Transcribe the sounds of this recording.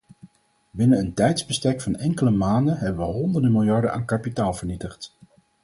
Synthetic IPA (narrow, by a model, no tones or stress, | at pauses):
bɪnənəntɛjtzbəstɛkfɑnɛŋkələmaːndənɦɛbəʋəɦɔndəɹdəmɪlˠjɑɹdəna̰ːŋkɑpitaːlˠvəɹnitəχt